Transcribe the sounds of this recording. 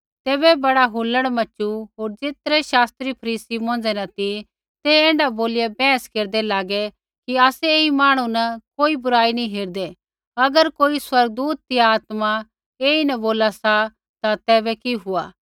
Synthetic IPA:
t̪ɛːbɛbɐɽaɦuləɽmɐt͡ʃuɦoːɾd͡ʒeːt̪ɾɛʃaːst̪ɾipʰɐɾiːsimõːnd͡zɛnɐt̪i | t̪eɛ̃ːɳɖaboːliɛbɛ̃ːskeːɾd̪ɛlaːɡɛ | kiaːsɛeːimaːɽ̃ũnɐkoːibʊɾaːinĩɦeːɾd̪ɛ | ɐɡəɾkoːiswɐɾɡ̚d̪uːt̪̚ːiaːt̪ma | eːinɐboːlasa | t̪at̪ɛːbɛkiɦʊaː

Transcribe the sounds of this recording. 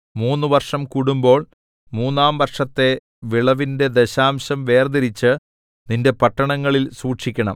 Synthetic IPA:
muːnːɨʋɐrʂɐmkuɽumbo̞ːɭ | muːnːaːmʋɐrʂɐt̪ːe̞ | ʋiɭɐʋinde̞d̪eɕaːmɕɐmʋe̞ːrd̪iɾit͡ɕːɨ | ninde̞pɐʈːɐɳɐŋːɐɭilsuːʈʂikʲːɐɳɐ̰m

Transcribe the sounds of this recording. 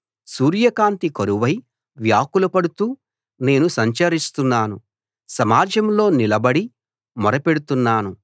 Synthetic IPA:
suːɾjɐkaːnt̪ikoɾuʋɐj | ʋjaːkulɐpɐɽut̪uː | ne̞ːnusɐɲt͡ʃɐɾist̪unːaːnu | sɐmaːd͡ʒɐmlo̞ːnilɐbɐɽi | mɔɾɐpe̞ɽut̪unːaːnu

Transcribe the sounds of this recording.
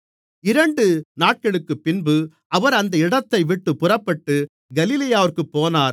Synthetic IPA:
ɪɾɐɳɖɯnaːʈ̚kɐɭɯkːɯpːɪnbɯ | ɐʋɐɾɐnd̪ɐɪɽɐt̪ːɐɪʋɪʈːɯpʊrɐpːɐʈːɯ | ɡɐlɪlɐjaːʋɐɾkɯpːoːnaːɾ

